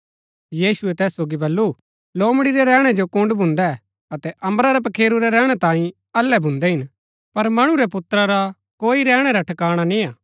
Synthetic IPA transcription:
jiːsuɛt̪ɛːsːoːɡibɐlːu | loːmɽiɾɛɾɛːɽ̃ɛd͡ʒokʊ̃ɳɖbʱʊ̃nd̪ɛ | ɐt̪ɛʔɐ̃mbɾaɾɛp̬ɐkʰeːɾuɾɛɾɛːɽ̃ɛt̪ãːĩ | ɐlːɛbʱʊ̃nd̪ɛɦɪn | pɐɾmɐɽ̃ũɾɛpʊt̪ːɾaɾa | koːiɾɛːɽ̃ɛɾaʈʰɐkaːɽ̃anĩaː

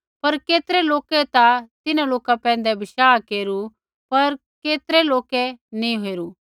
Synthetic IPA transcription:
pɐɾkeːt̪ɾɛloːkɛt̪at̪ɪnãloːkapɛ̃ːnd̪ɛbɪʃaːkeːɾu | pɐɾ | keːt̪ɾeloːkɛnĩɦoeɾu

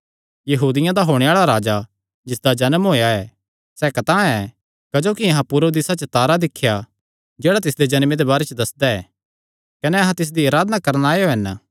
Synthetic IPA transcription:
jɐɦuːd̪ɪjãd̪aɦoːɽ̃eaːɭaɾaːd͡ʒa | d͡ʒɪsd̪ad͡ʒɐnəmɦoːejaɛː | sɛkɐt̪ãɛ | kɐd͡ʒoːkiɐɦãpʊɾod̪ɪsat͡ʃət̪aːɾad̪ɪkʰːja | d͡ʒeːɽat̪ɪsd̪ed͡ʒɐnmẽd̪ebaːɾet͡ʃd̪ɐsd̪aɛː | kɐnɛɐɦãt̪ɪs̬d̪iɐɾaːd̪nakɐɾnaːeoɦɐn

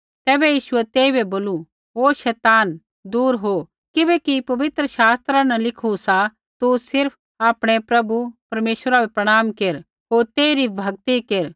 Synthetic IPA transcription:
t̪ɛːbɛjiːʃʊɛt̪eːibɛboːlu | oːʃɛːt̪aːn | d̪uːɾɦo | kɪbɛkipɐʋɪt̪ɾəʃaːst̪ɾãnãlɪkʰusa | t̪usɪɾpʰ | aːpɽ̃epɾɐbupɐɾmeːʃɾabepɾɐɽ̃aːmkeɾ | ɦoːɾt̪eːiɾibʱɐɡ̚t̪ikeɾ

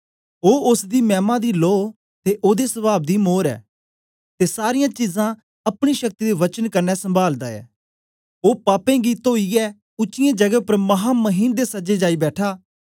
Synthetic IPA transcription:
oːʊsd̪iːmɛːmãd̪iːloː | t̪eʔoːd̪esəbaːb̚d̪iːmoːɾɛ̰ː | t̪esaːɾɪjãt͡ʃizã | ɐpɽ̃iʃɐk̚t̪id̪eʋɐt͡ʃənkɐɾnɛsə̃mbʱaːld̪aːɛ̰ː | oːpaːpẽɡiːt̪oːiɛː | ʊt͡ʃːɪjãːd͡ʒɐɡəpɐɾmɐɦaːməɦiːnd̪esɐd͡ʒed͡ʒaːibɛːʈʰaː

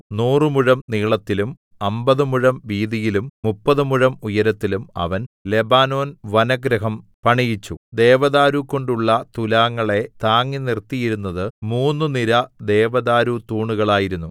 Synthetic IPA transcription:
nuːrɨmuɻɐmniːɭɐt̪ːilum | ɐmbɐðɨmuɻɐmʋiːðijilummupːɐðɨmuɻɐmujɐɾɐt̪ːilumɐ̰ʋɐnle̞baːno̞ːnʋɐnɐɡɾɐɦɐmpɐɳijit͡ɕːṵd̪e̞ːʋɐðaːɾuko̞ɳɖuɭːɐt̪ulaːŋːɐɭe̞t̪aːŋːinirt̪ːijiɾunːɐðɨmuːnːɨniɾɐd̪e̞ːʋɐðaːɾut̪uːɳuɣɐɭaːjiɾunːu

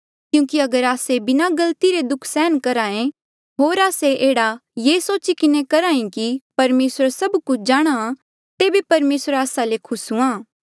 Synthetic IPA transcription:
kjũːkiɐɡəɾaːsebɪnaɡɐlt̪iɾed̪ʊkʰsɛːnkɐɾaːẽ | ɦoːɾaːseʔeːɽajeːsoːt͡ʃikɪnẽkɐɾaːĩkipɐɾmeːsɾsɐbkʊt͡ʃʰd͡ʒaːɽ̃aã | t̪eːbipɐɾmeːsɾaːsalekʰʊsũãː

